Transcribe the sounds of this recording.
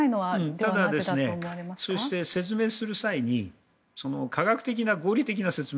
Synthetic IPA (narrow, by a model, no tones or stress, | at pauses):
inoaɯ̃t̪ad̪ad̪esɨne̞mɾeaso̞ɕi̥t̪e̞se̞t͡sɨme̞ːsɨɾɯ̟saiɲ̟i | so̞no̞kʰaɡakɯ̟̥t̪e̞k̬ʲinaɡo̞ːɾʲit̪e̞k̬ʲinase̞t͡sɨm